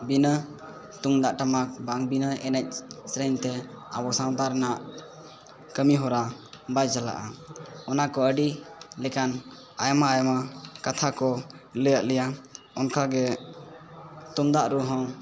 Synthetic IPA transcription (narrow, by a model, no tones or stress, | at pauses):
binə | t̪uŋd̪aʔʈamak̚baŋbinəɛnɛc̚sɾɛnt̪ɛ | a̰bɔsawt̪aɾnaʔ | kəmiɦɔɾabajd͡ʒala̰ʔaɔnakɔəɖilɛkan | ajamaːjamakat̪ʰakɔləjaʔ̚lɛja | ɔnkʰaɡɛ | t̪umd̪aʔɾuɦɔ̃